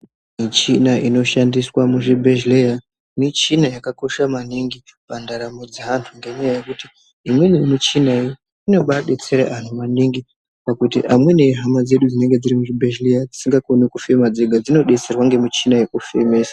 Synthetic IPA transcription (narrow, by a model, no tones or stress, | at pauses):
mit͡ʃinaʔino̞ʃandiswamuʐibʱeʒleja | net͡ʃinajakako̞ʃamaniŋɡipandaɾamud͡ziɦantʰuŋɡeɲajajekutiː | mwenimut͡ʃinaio | ino̞ɓaɗe̞t͡se̞ɾḛʔantʰumaniŋɡi | pakutiʔamwe̞ne̞ɦamad͡ze̞ɗud͡zine̞ŋɡe̞d͡ziɾimuʐibʱeʒlejad͡zi̥siŋɡakonikufe̞mad͡zeɡʱad͡zino̞ɗe̞t͡se̞rwaŋɡe̞mut͡ʃinajekufe̞meːsḁ